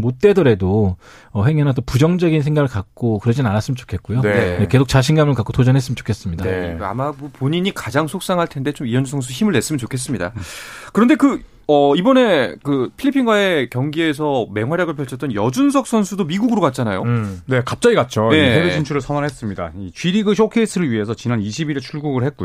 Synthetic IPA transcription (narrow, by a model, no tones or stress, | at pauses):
mot̚t͈e̞dɯɾe̞do | ʌhe̞ŋɦenat̬͈opud͡ʑʌŋd͡ʑʌɡinsʰe̞ŋɡaɡɯɭkak̚k͈okɯɾʌd͡ʑinnanas͈ɯmənt͡ɕo̥kʰe̞t̚k͈ojoeke̞s̬ʰok̚t͡ɕaɕ̬ʰinɡamɯɭkak͈otod͡ʑʌnɦes͈ɯmənt͡ɕo̥kʰe̞s͈ɯmɲidaa̰mabopoɲiɲikad͡ʑaŋsʰok̚s͈aŋɦaɭtʰe̞nde̞t͡ɕomiʌnd͡ʑusʰʌŋs̬ʰuçimɯɭnes͈ɯmʌnt͡ɕokʰe̞s̬͈ɯmɲida̰kɯɾʌnde̞kɯ | ʌibʌne̞kɯpʰilʎːipʰiŋɡwae̞kjʌŋɡie̞s̬ʰʌme̞ŋɦwaɾjaɡɯɭpʰjʌɭt͡ɕʰʌt͈ʌnjʌd͡ʑunsʰʌk̚s͈ʰʌnsʰudomiɡuɡɯɾokat̚t͡ɕ͈anajone̞kap̚t͡ɕ͈aɡiɡat̚t͡ɕ͈oje̞eeint͡ɕʰuɾɯɭsʰʌnanɦes͈ɯmɲida̰it͡ɕɥiɾiɡɯɕʰokʰes͈ʰɯɾɯɭɥiɦe̞sʰʌt͡ɕinaniɕʰibiɾit͡ɕʰuɭɡuɡɯɭhe̞t̚k͈ujo